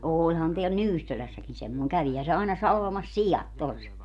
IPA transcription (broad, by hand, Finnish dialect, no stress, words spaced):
oːlʲhɑn teæl nyːsːølæsːækin semːoeŋ kæʋihæ se ɑinɑ sɑlʋɑmɑs sijɑt tos